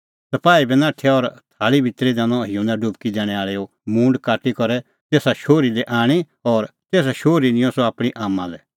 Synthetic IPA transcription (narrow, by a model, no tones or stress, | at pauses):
sɐpaːibɛnãːʈʰɛɔːɾt̪ʰaːlibʱɪt̪ɾid̪ãːnɔ̃ɪjũnaɖʊbkid̪ɛːɽ̃ɛ̃aːɭɛo | mũːɳɖkaːʈikɔɾɛ | t̪eːsaʃoːɾilɛʔaːɽ̃i | ɔːɾt̪eːs̬aʃoːɾinɪ̃jɔ̃sɔaːpɽ̃iʔaːmːãlɛ